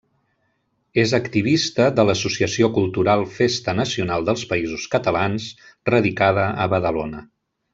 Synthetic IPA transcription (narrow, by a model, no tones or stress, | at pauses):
ezəkt̪iβ̞ist̪əðələsusiəsiokulˠt̪uɾalˠfest̪ənəsiunalˠd̪əlˠspəizuskət̪əlans | rəðikað̞əəβəðəlonə